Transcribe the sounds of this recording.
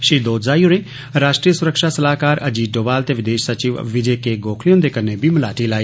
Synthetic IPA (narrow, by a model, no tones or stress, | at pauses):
ʃiːd̪oːt̪zaːiʊɽ̃ẽː | ɾaːʃʈɾiːjəsʊɾəkʃasɐlaːkaːɾɐd͡ʒiːɖoːʋaːlt̪eʋɪd̪eːʃsɐt͡ʃiːʋʋɪd͡ʒekeɡoːkʰlijõnd̪ekɐnːebʱiməlaːʈilaːiː